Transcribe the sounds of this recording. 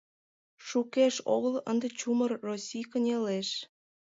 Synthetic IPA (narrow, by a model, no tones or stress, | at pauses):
ʃukeʃo̰ɣələ̰nd̪ĕt͡ɕumərːosʲijkənʲeleʃ